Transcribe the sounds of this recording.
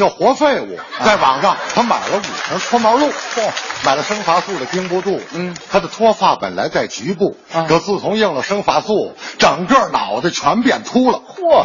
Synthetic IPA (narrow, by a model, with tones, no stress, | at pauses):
jɑ˥˩xwɔ˧˥fe˥˩ɪṵ˨˩t͡sa˥˩ɪʋɑ̰˨˩ŋʂɑ˥˩ŋt̪ʰa˥ma˨˩ɪlə˦ṵ˨˩ʂʰə˧˥nt͡sʰwɔ˥mɑ˧˥lu˥˩ma˨˩ɪlə˦ʂɤ˥ŋfa˧˥su˥˩d̪ə˩pi˥ŋpwɔ˥t̪u˥˩t̪ʰa˥d̪ə˨t̪ʰwɔ˥fa˥˩pə̰˨˩nla̰˧˥ɪt͡sa˥˩ɪt͡ɕy˧˥p̬u˥˩ | ɤ˧˩t͡sɹ̩˥˩t͡sʰʊ˧˥ŋji˥˩ŋlə˩ʂɤ˥ŋfa˧˥su˥˩ʈ͡ʂɤ˨˩ŋkə˥˩nɑ˨˩ʊd̪ə˦˧t͡ɕʰwa˧˥npjɛ˨˩nt̪ʰu˥lə˨